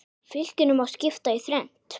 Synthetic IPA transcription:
fɪl̥cɪnʏmawscɪft̪aiθɾɛn̥t̪

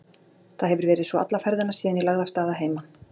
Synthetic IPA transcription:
θaðɦɛvʏɾvɛːɾɪðsvɔa̰t̪lafɛɾðɪnasiːðɪnilaɣðast̪aːðaɦeːjma

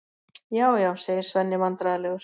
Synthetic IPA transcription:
jaːwjaːwseːjɪɾ̥svɛnːɪmant̪ɾaðalɛːɣʏɾ̥

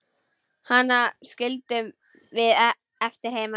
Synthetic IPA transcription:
hanːascɪlt̪ʏm | vɪð | ɛft̪ɪɾ̥hejma

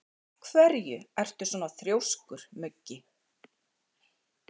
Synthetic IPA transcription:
kʰvɛɾjʏɛr̥t̪ʏsɔːnaθɾjowskʏɾ̥mʏcːɪ

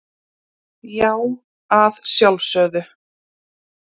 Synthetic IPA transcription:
jaːw | aðsjawlsœːðʏ

